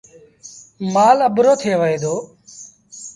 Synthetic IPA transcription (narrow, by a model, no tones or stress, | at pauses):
maːləbɾoːt̪ʰeːʋəɦeːd̪oː